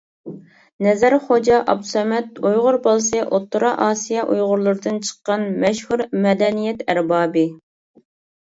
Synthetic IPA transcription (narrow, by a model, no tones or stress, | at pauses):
nɛzæɾχod͡ʒɑʔɑ̰b̪̚u̥sɛmɛt̪ujʁʊɾbɑlˠsɨʔot̪ːuɾɑʔɑːsijɑʔujʁʊɾlˠʊɾɨd̪ɨnt͡ʃʰə̥qːɑnmɛʃhuɾmɛd̪ɛnijɛt̪ʰæɾbɑːbɨ